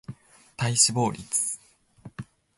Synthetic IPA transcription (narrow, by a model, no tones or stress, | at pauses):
t̪aiɕibo̞ːɾʲḭt͡sɨ̥